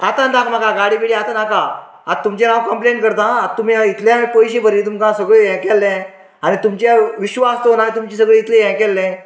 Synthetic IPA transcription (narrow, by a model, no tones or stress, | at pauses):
at̪ãnd̪akmakãɡaɽipiɽiat̪anakã | at̪ːumt͡ɕẽnãwkəmplenkəɾt̪ãːt̪um̤iit̪ʰljapəjɕẽpəɾĩt̪umkãsəɡɭeɛ̃kɛlːɛ̃ | añit̪umt͡ɕjaʋiɕʋast̪onanit̪̬umt͡ɕĩsəɡɭiit̪leɛ̃kɛlːɛ̃